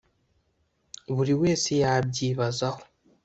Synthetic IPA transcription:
βuɾiwe̞ːsejabɟiːβazaho̞

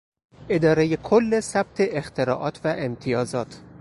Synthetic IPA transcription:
ʔe̞d̪ɒːɾejekʰolːesæb̥̚t̪ʰe̞ʔext̪ʰe̞ɾɒːʔɒːt̪ʰvæʔemt̪ʰijɒːzɒːt̪ʰ

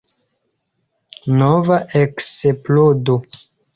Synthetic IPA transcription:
novaʔekseplodo

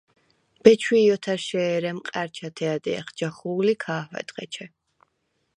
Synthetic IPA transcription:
b̥ɛt͡ʃʰwiːɔt̪ʰaɾʃɛːɾɛmqʼaɾt͡ʃʰat̪ʰɛad̪ɛ̰a̰χd͡ʒaχuːlikʰaːɦwɛ̰d̪ʁɛ̰t͡ʃʰɛ

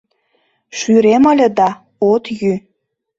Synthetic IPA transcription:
ʃyɾemə̆lʲə̆d̪ɑ | ot̪jy

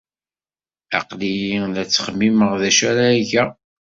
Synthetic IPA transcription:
ɑ̰qlijiðæt͡sːə̥χəmːiməʁðæʃæɾæʝæ

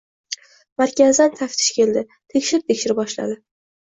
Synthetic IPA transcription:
maɾkʲazd̪ant̪ʰaft̪ʰɪ̥ʃkʲʰe̞ld̪ɪ | t̪ʰe̞kʲʃɪɾɪt̪ʰe̞kʲʃɪɾɪbɒʃla̰d̪ɪ

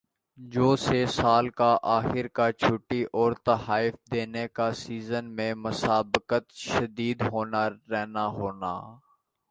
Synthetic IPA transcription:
d͡ʒoːsesaːlkaʔaːxɪɾkaːt͡ʃʰʊʈːiʔɔːɾt̪əhaːɪfd̪eːnekasiːzənmẽmʊsaːbɪkət̪ʃəd̪iːd̪ɦoːnaɾɛɦnaɦoːna̰ː

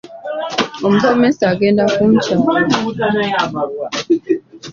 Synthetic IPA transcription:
om̩zɔmesaɡendafun̩t͡ʃam

